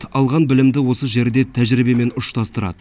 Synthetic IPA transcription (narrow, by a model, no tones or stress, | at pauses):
ɑlˠʁɑnbɪlɪmd̪ɪwo̞səʒe̞ɾd̪et̪ʰæʒɾibe̞me̞nʊʃt̪ʰɑst̪əɾɑ̰d̪ə